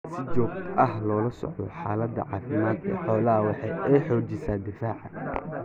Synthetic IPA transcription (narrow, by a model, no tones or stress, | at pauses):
sɪt͡ʃɔːɡʔɐɦlɔːlɐsɔ̰ʕd̪ɔ̰ħaːlɐd̪ːɐ̰ʕɑːfɪmaːd̪ɛ̰ːħɔːlɐɦɐwɑħɑjɛjħɔːd͡ʒɛsaːd̪ɪfaːʕɑ